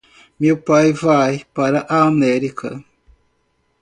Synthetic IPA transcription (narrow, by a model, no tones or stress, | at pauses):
mewpajvajpaɾɐʔaːmɛɾikɐ̰